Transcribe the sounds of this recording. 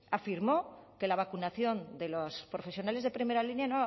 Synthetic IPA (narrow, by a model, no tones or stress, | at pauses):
afiɾmo̞ke̞laβ̞akunaθjo̞nd̪e̞lospɾo̞fe̞sjonale̞zðe̞pɾime̞ɾalinjano